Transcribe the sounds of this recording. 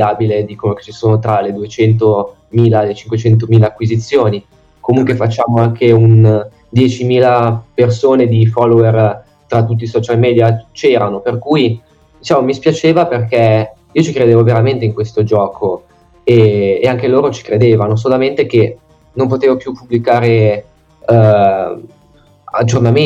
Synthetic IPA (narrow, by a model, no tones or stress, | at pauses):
aːbiled̪iːkonoke̥t͡ʃisoːnot̪ɾaled̪uet͡ʃɛnt̪o | miːlalet͡ʃiŋkwet͡ʃɛnt̪̬omiːlaːkːwizit̪sːjoːni | komuŋkwefat͡ʃːaːmoaŋkʰeun | d̪jɛːt͡ʃimiːlapersoːned̪ifɔlːoer | t̪ɾat̪ːut̪ːisɔt͡ʃalmɛːd̪jat͡ʃɛːɾanoperkuːj | d̪it͡ʃaːmomispjat͡ʃeːvaperkɛ | iːot͡ʃikɾed̪eːvoveɾament̪eiŋkwest̪od͡ʒɔːkʰo | eːaŋkeloːɾot͡ʃi̥kɾed̪eːvanos̬olament̪ek̟e | nompot̪eːvopjupːubːlikaːɾe | a̰d͡ʒːorname